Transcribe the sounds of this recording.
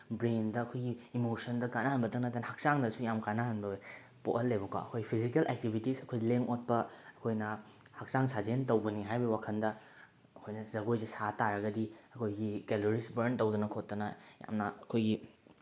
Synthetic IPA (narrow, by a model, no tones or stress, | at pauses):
bɾendɐːkʰojɡiːmosɐndɐkanɐɦɐnbɐdɐŋ̚nɐtɐnɐhɐk̚saŋdɐsujamkanɐɦɐnbɐ | poʔɐlːejbɐka̰ɐkʰojɡipʰizikelek̚tibitisɐkʰojɡileŋot̚pɐɐkʰojnɐ | hɐk̚saŋsazentɐwbɐniɦajbɐwakʰɐndɐ | ɐkʰojnɐzɐɡojzisataɾɐɡɐdiɐkʰojɡikeloɾisbɐɾntɐwdunɐkʰotːɐnɐja̰mnɐɐkʰojɡi